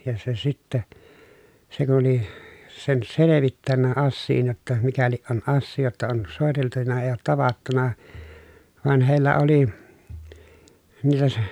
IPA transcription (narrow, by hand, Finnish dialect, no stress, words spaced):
jɑ se sitːe se kun̞ oli sen seleʋitːænːæ ɑsːiːn jotːɑ mikæliʔ ʔon ʔɑsːiː jotːɑ on soˑeteltunɑ eː oːt tɑʋɑtːunɑ ʋɑn heˑi̯lːæ oli niːtæ se